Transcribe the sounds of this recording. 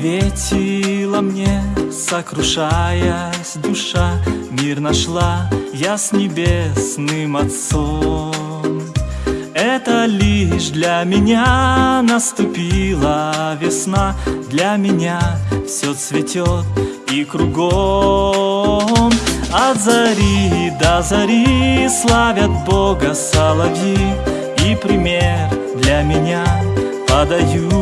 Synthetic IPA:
vʲetʲɪlˠəmnʲesəkɾʊʂajəsʲd̪ʊʂamʲirnɐʂlˠajasʲnʲɪbʲesnɨmɐt̪so | m | ɛt̪əlʲiʂd̪lʲamʲɪnʲanəst̪ʊpʲilˠəvʲɪsnad̪lʲamʲɪnʲafsʲot̪svʲɪtʲot̪ | ikɾʊɡo | mɐzɐɾʲid̪ɐzɐɾʲislˠavʲət̪̚boɡəsalˠɐvʲji | ipɾʲɪmʲer | d̪lʲamʲɪnʲa | pɐd̪ɐju

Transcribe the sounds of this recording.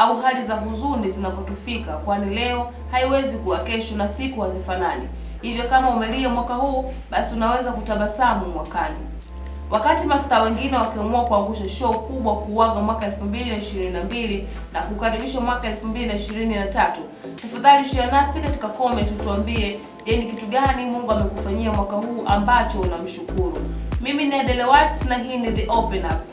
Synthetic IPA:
auɦalizaɦuzunizinapɔtufikakwanilɛɔ | haiwɛzikuwakɛʃɔnasikuhazifananḭ | hivjɔkamaumɛliɛmwakahuː | ɓasiunawɛzakutaɓasamumwakanḭ | wʔakatimastaːwɛŋɡinɛwakiɔmuakuaŋɡuʃaʃɔːkuɓwakuwaɡamwakaɛlfumbilinaiʃiɾininambili | nakukaɾiɓiʃamwakaɛlfumbilinaiʃiɾininatatu | tafaðaliʃianasikati̥kakɔmɛntutuambiɛ | ʄɛnikituɠanimuŋɡuamɛkufaɲiamwakahuːʔambat͡ʃɔunam̩ʃukuɾṵmiminiɛɗɛlɛwatsnaɦiːniðiʔɔpɛnap

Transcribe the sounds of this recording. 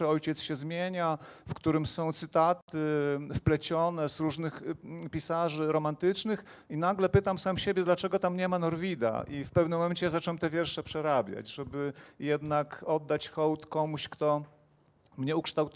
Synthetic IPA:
ɛɔjt͡ɕɛt̪sɕɛzmʲjeɲafkt̪uɾɘmsɔ̃w̃t̪sɘt̪at̪ɘfplɛt͡ɕɔnɛzɾuʐnɘxpʲisaʐɘɾɔmant̪ɘt͡ʂnɘx | inaɡlɛpɘt̪amsamɕebʲjɛd̪lat͡ʂɛɡɔt̪amɲɛmanɔɾvʲid̪a̰ʔifpɛvnɘmːɔmɛnt͡ɕɛjazat͡ʂwɛmt̪ɛvʲjɛɾʂɛpʂɛɾabʲja̰d͡ʑʐɛbɘjɛd̪nakɔd̪ːat͡ɕxɔwt̪kɔmuɕkt̪ɔ | mɲɛukʂt̪awt̪

